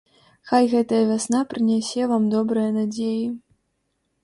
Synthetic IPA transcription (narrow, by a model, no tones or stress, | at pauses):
xajɣɛt̪ɐjɐvʲasn̪apɾɨnʲasʲɛvamd̪ɔbɾɨjɐnad͡zʲeji